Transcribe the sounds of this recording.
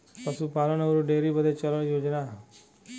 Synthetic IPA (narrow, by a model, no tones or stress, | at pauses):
pɐsupaːlənəɾuɖeːɾibəd̪et͡ʃələnijoːd͡ʒna